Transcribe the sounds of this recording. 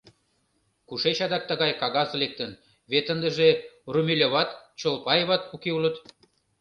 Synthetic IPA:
kuʃet͡ɕɑd̪ɑk̚t̪ə̆ɣɑjkɑɣɑzlek̚t̪ən | βet̪ːənd̪əʒerumʲelʲoβɑt̪t͡ɕolpɑjβɑt̪̚pukeulət̪

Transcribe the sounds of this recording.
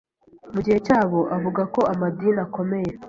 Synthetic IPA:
muɟihe̞caːβo̞ʔavuɡako̞ʔamadiːnako̞me̞je̞

